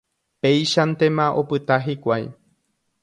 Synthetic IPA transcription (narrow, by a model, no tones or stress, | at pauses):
pe̞jʃant̪e̞mãʔo̞pɨt̪aɦikʷaj